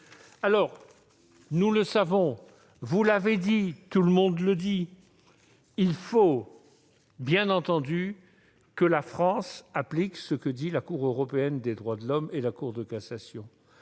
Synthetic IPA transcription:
alɔʁ | nuləsavɔ̃ | vulaved̪it̪uləmɔ̃d̪ləd̪i | ilfo | bjɛ̃nɑ̃t̪ɑ̃d̪y | kəlafχɑ̃sapliksəkəd̪ilakuʁøʁɔpeɛnd̪ed̪ʁwad̪əlɔmelakuʁd̪əkasasjɔ̃

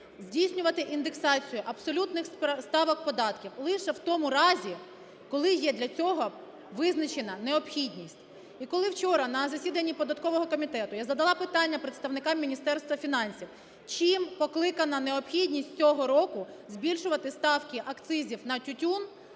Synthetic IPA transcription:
zʲdʲijsʲnʲʊʋɐt̪ɪʔind̪eksɑt͡sʲijʊʔɐpsɔlʲut̪nɪxst̪ɑʋɔk̚pɔd̪ɑt̪kʲiwlˠɪʃɛwt̪ɔmʊɾɑzʲi | kɔlˠɪjɛd̪lʲɐt͡sʲɔɦɔ | ʋɪznɐt͡ʃenɐneɔpxʲidʲnʲisʲtʲ | ikɔlˠɪwt͡ʃɔɾɐnɐzɐsʲid̪ɐnʲːipɔd̪ɐt̪kɔʋɔɦɔkɔmʲit̪ɛt̪ʊjazɐd̪ɐlˠɑpɪt̪ɑnʲːɐpɾet̪st̪ɐwnɪkɑmːʲinʲist̪ɛrst̪ʋɐfʲinɑnʲsʲiw | t͡ʃimpɔklˠɪkɐnɐneɔpxʲidʲnʲisʲtʲt͡sʲɔɦɔɾɔkʊ | zʲbʲilʲʃʊʋɐt̪ɪst̪ɑwkɪʔɐkt̪sɪzʲiwnɐtʲʊtʲun

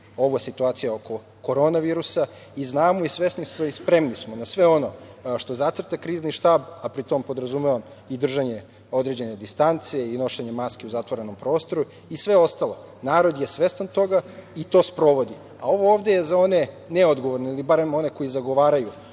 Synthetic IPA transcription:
o̞ʋojesit̪uaːt̪sijaoko̞ | ko̞ɾo̞naʋiːɾusa | iznaːmoisʋe̞snist̪oispɾe̞mnismonasʋe̞o̞no̞ʃt̪o̞zat̪ɾrt̪akɾiːzniʃt̪aːbapɾit̪o̞mpo̞d̪ɾazumeʋam | id̪r̩ʒaɲe̞ | o̞d̪ɾe̞d͡ʑe̞ne̞d̪ist̪ant̪sijeino̞ʃeɲe̞maskeuzat̪ʋoɾe̞no̞mpɾo̞ːst̪o̞ɾu | isʋe̞o̞st̪alˠo̞ | naːɾo̞d̪je̞sʋe̞st̪ant̪o̞ɡait̪o̞ːspɾo̞ʋo̞d̪i | ao̞ʋo̞oːʋd̪e̞jezao̞ne̞ | neod̪ɡo̞ʋoɾnoilibaɾe̞mo̞ne̞ko̞jizaɡoʋaːɾaju

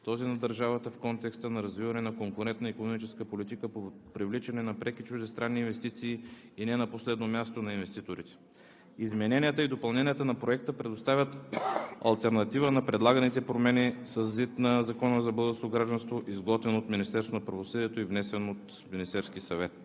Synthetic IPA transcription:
t̪ɔzinɐd̪ɐɾʒavət̪əfkɔnt̪ɛkst̪ənɐɾɐzvivɐnɛnɐkoŋkʊɾɛnt̪̚nəikonomit͡ʃɛskəpolit̪ikəpopɾivlit͡ʃɛnɛnɐpɾɛkit͡ʃuʒd̪ɛst̪ɾanːiːnvɛst̪it̪siː | inɛnɐposlɛd̪nomʲjast̪onɐinvɛst̪it̪oɾit̪ɛ̥ | izmɛnɛnijət̪əid̪opɐlˠnɛnʲiət̪ənɐpɾoɛk̚t̪əpɾɛd̪ost̪avʲət̪ɐ̰lˠt̪ɛɾnɐt̪ivənɐpɾɛd̪lˠaɡənit̪ɛpɾomɛnʲisɐzːit̪nɐzɐkɔnəzɐbɤd̪əskoɡɾaʒd̪ənst̪voʔizɡɔt̪vɛnot̪minist̪ɛɾsvonɐpɾɐvosɤd̪iɛt̪oivnɛsɛnot̪ | minist̪ɛɾskʲisɐvɛt̪

